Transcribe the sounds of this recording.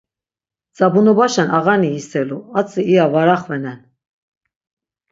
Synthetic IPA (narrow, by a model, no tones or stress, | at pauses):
t͡sʼabunɔbaʃɛnʔaɣaniːsɛluat͡sʼiiavaɾaχvɛnɛn